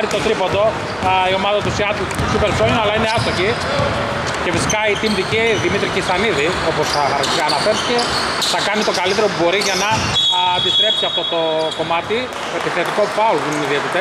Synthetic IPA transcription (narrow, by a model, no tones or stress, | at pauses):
ɾit̪o̞t̪ɾipond̪o̞ | io̞mɐðɐt̪usiɐt̪lsupeɾsojnɐlɐineɐst̪oci | ce̞fisi̥kɐit̪imt̪iciðimit̪ɾicisɐniði | o̞po̞sɐɐɾ | ɐɐnɐfeɾθice̞ | θɐkɐnit̪o̞kɐlit̪̬eɾo̞pubo̞ɾiʝɐnɐːnd̪ist̪ɾe̞psiɐft̪o̞t̪o̞ko̞mɐt̪i | t̪oepiθet̪ikopɐolðineniðiet̪it̪es